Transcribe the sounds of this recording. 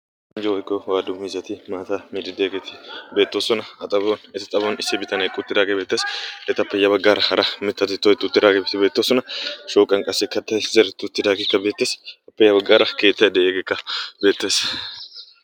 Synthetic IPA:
ɪnd͡ʒɔwɔjkːɔwaːd̪ʊmizɐt̪ɪmaːt̪amiːd̪ɪd̪eːɡɛt̪ɪ̥be̞ːt̪ːoːsɔnɐɐt̪ʼɐbonɛt̪ɪt̪ʼɐbonɪsːɪbɪt̪ɐnɛkʼːʊt̪ːɪd̪aːɡebe̞ːt̪ːeːsɛt̪ɪɐpːɐjːɐbɐɡːaːɾɐhɐɾɐmɪt̪ːɐt̪ɪt̪ːɔɪt̪ːʊt̪ːɪd̪aːɡebt̪ɪbe̞ːt̪ːoːsɔnɐʃoːkʼɐŋkʼɐsːɛkɐt̪ːɐjzɐɾɪt̪ːʊt̪ːɪd̪aːɡɛkːɐbe̞ːt̪ːeːsɐpːɐjɐbɐɡaːɾɐke̞ːt̪ːɐjd̪eʔeːɡekːɐbe̞ːt̪ːeːs

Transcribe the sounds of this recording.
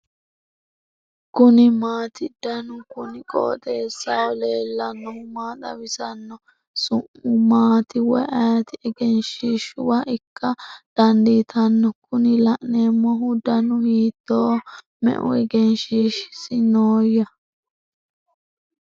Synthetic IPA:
kʊnɪmaːt̪ɪd̪̥ɐnʊkʊnɪkʼo̰ːt̪eːsːɐwɔleːlːɐnːɔhʊmaːt̪ɐ̰wɪsɐnːɔ | sʊʔʊmaːt̪ɪwɔɐjɐt̪ɪɛɡɛnʃiːʃʊwɐʔɪkːɐd̪̥ɐnd̪iːt̪ʰɐnːɔkʊnɪlɐʔneːmːɔɦʊd̪ɐnʊhiːt̪ːoː | mɛ̰ʔʊ̰ɛɡɛnʃiːʃsɪnoːjɐ

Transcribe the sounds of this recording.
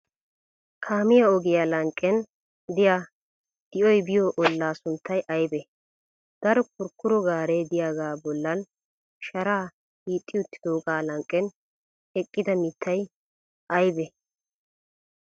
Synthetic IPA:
kʰaːmɪjaɔɡɪjaːlɐŋkʼːɛn | d̪ɪja | d̪̥ɪʔɔjbɪjoːʔɔlːaːsʊnt̪ːɐjʔɐjbɛ | d̪̥ɐɾɔkʊɾkːʊɾɔɡaːɾed̪ɪjaɡaːbɔlːɐn | ʃɐɾaː | hiːt̪ʼːɪjʊt̪ːɪ̥d̪oːɡaːlɐŋkʼːɛn | ɛkʼːɪd̪ɐmɪt̪ʰːɐj | ʔɐjbɛ

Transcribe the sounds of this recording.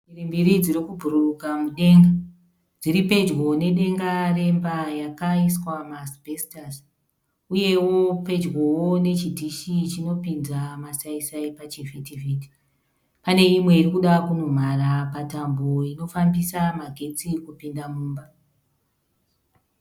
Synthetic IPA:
irimbiɾid͡ziɾikubʱuɾukamuɗe̞ŋɡa | d͡ziɾipe̞d͡ʒɡo̞ne̞ɗe̞ŋɡare̞mbajakaiswamasbʱestas | uje̞wo̞pe̞d͡ʒɡowone̞t͡ʃidʱiʃit͡ʃino̞pind͡zamasaisaipat͡ʃivitiviːti̥ | pane̞imwe̞irikuɗakunum̤arapatamboino̞fambisamaɡʱe̞t͡sikupindamuːmba

